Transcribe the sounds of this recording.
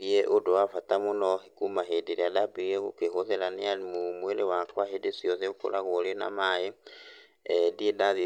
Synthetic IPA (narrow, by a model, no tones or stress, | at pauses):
ieʔodoafatamonɔɦikumaɦedeɾiadabieɣukeɦoðɛɾanealimumwelewakwaɦedesjɔðeoko̰laɣolena̰mae | ɛdiedaði